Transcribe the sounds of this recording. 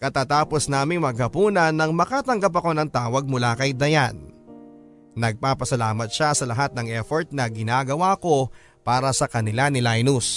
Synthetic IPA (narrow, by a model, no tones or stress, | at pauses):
kɐt̪aːt̪aːpo̞snaːmɪŋmɐɡ̚hɐpuːnɐnːɐŋmɐkat̪ɐŋɡap̬ɐko̞nɐŋt̪aːwɐɡ̚mʊlakɐjd̪ɐjan | ɐɡ̚paːpɐsɐlaːmɐt̪̚ʃasɐlɐɦat̪̚nɐŋɛfoɹt̪̚nɐɡɪnaːɡɐwaɐko̞ | paːɾɐsɐkɐnɪlanɪlajnus